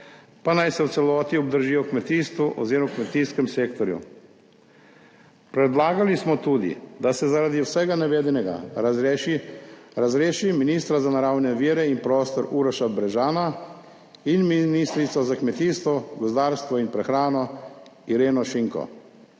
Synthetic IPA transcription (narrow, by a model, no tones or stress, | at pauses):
panajsɛwt̪sɛlɔːt̪iɔb̚d̪əɾʒijɔkmɛt̪iːst̪ʋuʔɔ̰ziɾmawkmɛt̪iːskɛmseːkt̪ɔɾjṵ | pɾɛd̪laːɡalismɔt̪uːd̪ḭd̪asɛzaɾad̪iwsɛɡanɛʋeːd̪inɛɡa̰iɾazɾeːʃiminiːst̪ɾazanaɾawnɛʋiːɾɛinpɾɔːst̪ɔɾuːɾɔʃabɾɛʒaːna | inminiːst̪ɾit̪sɔzakmɛt̪iːst̪ʋɔɡɔzd̪aːɾst̪ʋɔinpɾɛxɾaːnɔiɾeːnɔʃiŋkɔ̰